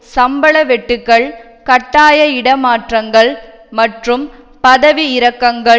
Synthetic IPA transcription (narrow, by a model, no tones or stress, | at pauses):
sɐmbɐɭɐʋɛʈːɯkːɐɭ | kɐʈːaːjɐɪɽɐmaːʈrɐŋɡɐɭ | mɐʈrɯm | pɐðɐʋiɪɾɐkːɐŋɡɐ